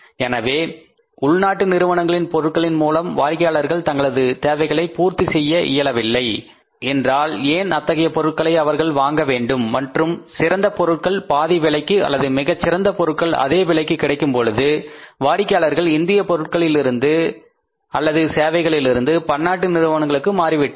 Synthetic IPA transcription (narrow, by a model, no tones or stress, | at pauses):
ɛnɐʋeː | ʊɭnaːʈːɯnɪɾɯʋɐɳɐŋɡɐɭɪnpɔɾɯʈ̚kɐɭɪnmuːlɐmʋaːɾɪkːɐjaːɭɐɾɣɐɭt̪ɐŋɡɐɭɐðɯt̪eːʋɐɪɣɐɭɐɪpuːɾt̪isɛjːɐʔɪ̰jɐlɐʋɪlːɐɪ | ɛndraːleːnɐt̪ːɐɣɐjɐpɔɾɯʈ̚kɐɭɐɪɐʋɐɾɣɐɭʋaːŋɡɐʋeːɳɖɯmːɐʈrɯmsɪɾɐnd̪ɐpɔɾɯʈ̚kɐɭpaːðiʋɪɭɐɪkːɯɐ̰lːɐðɯmɪɣɐt͡ʃːɪɾɐnd̪ɐpɔɾɯʈ̚kɐɭɐ̰ðeːʋɪɭɐɪkːɯkːɪɽɐɪkːɯmpɔɻɯðɯʋaːɾɪkːɐjaːɭɐɾɣɐɭɪnd̪ɪjɐpɔɾɯʈ̚kɐɭɪlɪɾɯnd̪ɯ | ɐlːɐðɯseːʋɐɪɣɐɭɪlɪɾɯnd̪ɯpɐnːaːʈ̬ːɯnɪɾɯʋɐɳɐŋɡɐɭɯkːɯmaːɾɪʋɪʈːɯ